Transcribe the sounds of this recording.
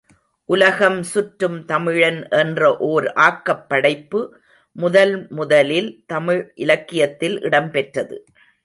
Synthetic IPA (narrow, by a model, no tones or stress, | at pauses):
ʔʊlɐɣɐmsʊʈɾɯmt̪ɐmɪɻɐnʔɛndrɐʔoːɾʔaːkːɐpːɐɽɐɪpːɯ | mʊðɐlmʊðɐlɪlt̪ɐmɪɻʔɪlɐkːɪjɐt̪ːɪlʔɪ̰ɽɐmpɛʈrɐðɯ̰